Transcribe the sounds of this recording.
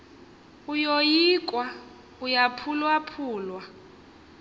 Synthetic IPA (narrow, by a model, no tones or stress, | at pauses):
ujojik̬ʼwa | ujapʰulwapʰuːlwa